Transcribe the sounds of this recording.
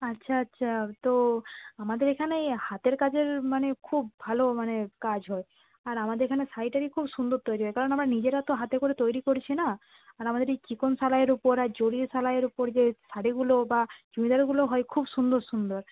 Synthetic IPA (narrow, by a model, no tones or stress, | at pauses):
atːɕʰaatːʃʰat̪oamad̪eɾekʰanejhat̪eɾkad͡ʑeɾmanekʰubːʱalomanekad͡ʑɦɔe | aɾamad̪eɾekʰanesaɽiʈaɾikʰubsund̪oɾt̪ojɾiɦɔekaɾonamɾanid͡ʑeɾat̪oɦat̪ekoɾet̪ojɾikoɾit͡ɕʰina | aɾamad̪eɾejt͡ɕikonsalaeɾupoɾaɾd͡ʑoɽisalaeɾupoɾd͡ʑesaɽiɡulobad͡ʑumid̪aɾɡuloɦɔekʰubsund̪oɾsund̪oɾ